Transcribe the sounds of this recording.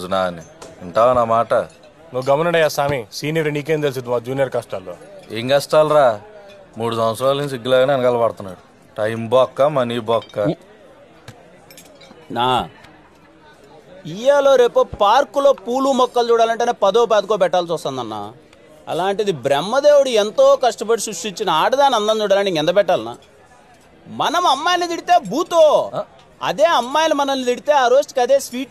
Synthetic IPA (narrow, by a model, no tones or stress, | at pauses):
naːniiɳʈaːʋɐnaːmaːʈɐ | nuɡɐmɐnɐɳɖɐjːaːsaːmisiːnijɐɾeɳiːk̬eːmt̪elis̬id̪imaːd͡ʒuːnijɐɾkaːsʈaːlːoːeŋɡɐsʈaːlɾaː | muːɽusɐ̃m̃ɐt͡sɾaːlinsiɡːlaːɡaːneɐnɐkaːlɐpɐɽt̪unːaːɽu | ʈɐjmbɔːkːamɐniːbɔːkːa | naː | ijeːlo̞ːɾe̞ːpopaːɾkulo̞ːpuːlumɔkːɐlt͡ʃuːɽaːlɐɳʈeneːpɐd̪oːp̬aːd̪ukoːpɛʈːaːlut͡ʃuːst̪ɐnd̪ɐnːa̰ː | ɐ̰laːɳʈid̪ibɾɛmːɐd̪eːwuɽuent̪o̞ːkɐʂʈɐpɐɽisɾuʂʈiɲt͡ʃinɐaːɖɐd̪aːnɐnd̪ɐnt͡ʃuːɽaːlɐɳniŋɛnd̪ɐpɛʈːaːlna̰ː | mɐnɐmɐmːaːjɐlid̪iɽit̪e̞ːbuːt̪oː | ɐ̰d̪eːɐmːaːjɐlimɐnɐmnːid̪iɽit̪e̞ːaːɾoːsʈikɐd̪eːsʋiːʈ